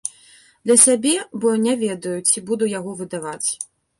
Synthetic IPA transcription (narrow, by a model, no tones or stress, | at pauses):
d̪lʲɐsʲabʲɛbɔnʲɛvʲɛd̪ɐjut͡sʲibud̪ujaɣɔvɨd̪avat͡sʲ